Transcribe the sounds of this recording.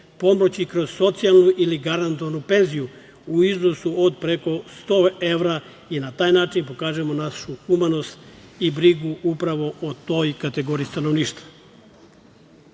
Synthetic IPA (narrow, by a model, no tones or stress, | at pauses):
po̞mot͡ɕikɾo̞z̥so̞t̪sijalˠnuʔiliɡaɾant̪oʋanupe̞nziju | uiznosuod̪̚pɾe̞ko̞st̪oːe̞ʋɾa | inat̪aːjnaːt͡ʃinpo̞kaːʒemo̞naʃuxumano̞st̪ | ibɾiɡuʔupɾaʋo̞ʔot̪o̞ːjkat̪e̞ɡo̞ːɾiist̪ano̞ʋniːʃt̪ʋḁ